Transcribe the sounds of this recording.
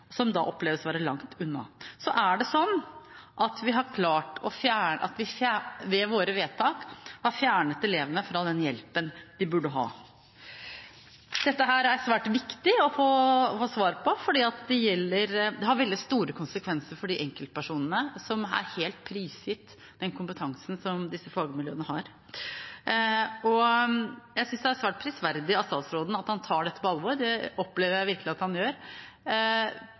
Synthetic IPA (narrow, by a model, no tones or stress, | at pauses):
sɔmd̪ɑ̰ʔɔpleːʋəsʋæːɾəlɑŋt̪ʰʉnːɑ̰sɔʔæɖɛsɔnːʔɑt̪ʰʋɪɦɑɾkʰlɑːʈɔfjæːɳʔɑ̰t̪ʋɪfjæʋɛʋoːɾəʋeːt̪ʰɑːkhɑɾfjæːɳət̪ɛleːʋənəfɾɑd̪ɛnjɛlpənd̪̥ɪbʉɖːəɦɑ̰ː | d̪̥ɛt̪ːəɦæːɾæɾsʋæːʈʋɪkt̪ɪɔfoːfoːsʋɑːɾpʰɔfɔɖiːɑt̪d̪ɛjɛlːəɾd̪ɛɦhɑɾʋɛld̪ɪst̪uːɾəkʰʊnsəkʰʋɛnsəɾfɔɖɪʔɛŋkəlt̪pʰæʂuːnənəsɔmæ̰ɾheːlt̪̚pʰɾiːsɪt̪ | d̪̥ɛnkʰʊmpət̪ʰɑŋsn̩sɔmd̪ɪsːəfɑːɡəmɪljøːnəɦɑɾ | ɔ | jæɪsʏnsd̪ɛæɾsʋæːʈ̚pʰɾɪsʋæɾd̪ɪɑsɑlsɾoːd̪n̩ɑt̪hɑnt̪ʰɑːɖɛt̪ːə̥pɔɑlʋɔɾd̪ɛɔpːleːʋəɾjæɪʋɪɾkəlɪɑt̪hɑnjøːɾ